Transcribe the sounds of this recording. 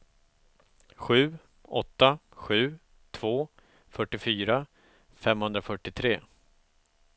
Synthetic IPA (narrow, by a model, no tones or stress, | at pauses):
ɧʉ̟ː | ɔt̪ːaɧʉ̟ː | t̪ʰvoː | fœʈːɪfyːɾa | fɛmhɵnd̪ɾafœʈːɪt̪ʰɾeː